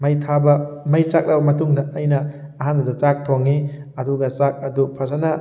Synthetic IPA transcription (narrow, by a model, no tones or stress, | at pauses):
mɐjtʰabɐmɐjt͡ʃak̚labɐmɐtuŋdɐʔːjnɐː | ɦandudɐt͡ʃak̚tʰoŋːi | ɐduɡɐt͡ʃak̚ɐdupʰazanɐ